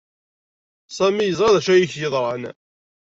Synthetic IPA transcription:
sˤæmijəzˤʁɑðæʃæjiçjəðˤɾˤɑn

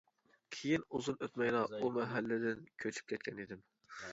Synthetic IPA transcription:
kʲʰejinuzunøt̪mɛjlˠɑumɛɦælːɪd̪ɪnkʲʰøt͡ʃʰy̥p̚kʲɛt̪̚kʲɛnid̪ɪm

